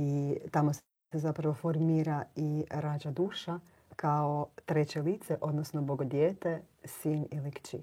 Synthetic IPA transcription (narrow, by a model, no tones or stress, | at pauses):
it̪amos | ezapɾaʋo̞foɾmiːɾaiɾad͡ʒad̪uːʃa | kaot̪ɾe̞t͡ɕe̞liːt̪seʔo̞d̪nosnoboɡod̪jeːt̪e̞ | sinilikt͡ʃḭ